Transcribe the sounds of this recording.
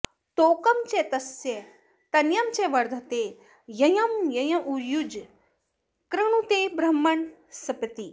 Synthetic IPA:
t̪oːkɐmt͡ʃet̪ɐsjɐ | t̪ɐnjɐmt͡ʃeʋɐɾd̪ʱɐt̪eː | jɐjɐmjɐjɐ̃ʔujud͡ʒ | kɾɐɳ̃ut̪ebɾɐmːɐɳsɐpɐt̪i

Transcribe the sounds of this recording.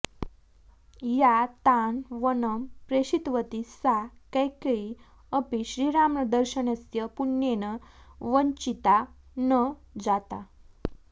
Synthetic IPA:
jat̪anʋənəmpɾeɕit̪ʋət̪isakajkəi | əpiɕɾiɾamɳəd̪əɾɕənesjəpunjenəʋəɲt͡ɕit̪a | nəd͡zat̪a

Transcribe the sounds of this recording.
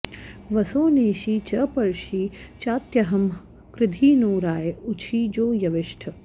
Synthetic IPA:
ʋɐsoːneːʃiːt͡ʃɐpɐɾʃiːt͡ʃaːt̪jɐɦɐm | kɾɪd̪ʱiːnoːɾaːjut͡ʃʰiːd͡ʒoːjɐʋɪʃʈʰɐ

